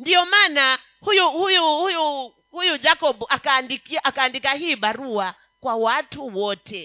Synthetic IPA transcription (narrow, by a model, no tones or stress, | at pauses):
ndijɔmana | hujuhujuhuju | hujud͡ʒakɔɓuʔakandikiʔakaːndikaɦiːɓaɾua | kwawatʰuwɔtʰɛ